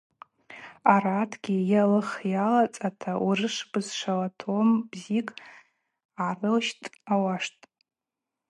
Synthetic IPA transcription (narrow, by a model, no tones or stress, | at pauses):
aratʰɡʲijalɨχjalat͡sʼatʰaurɨʂb̥ɨzʂalatʰombzikʼ | arɨlʃtʼawaʂtʼ